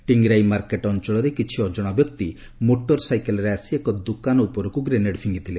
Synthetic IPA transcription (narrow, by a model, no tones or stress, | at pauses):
ʈiŋɡɾajmaɾkeʈɔnt͡ʃɔɭɔɾekit͡ʃʰiɔd͡ʒɔɽ̃abjɔk̚t̪i | moʈɔɾsajkelɔɾeasiekɔd̪ukanɔupɔɾɔkuɡɾeneɽpʰiŋɡit̪ʰile